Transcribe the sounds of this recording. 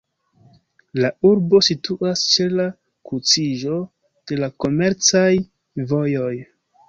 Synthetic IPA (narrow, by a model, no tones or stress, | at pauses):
lauɾbo̞situʔast͡ʃe̞la | kut͡siʒo̞ | d̥e̞lako̞me̞ɾt͡saj | vo̞jo̞j